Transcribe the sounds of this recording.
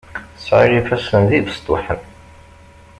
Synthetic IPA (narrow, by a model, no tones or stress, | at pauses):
sʕiɾifæsənðivəst̪ʊ̰ħə̰n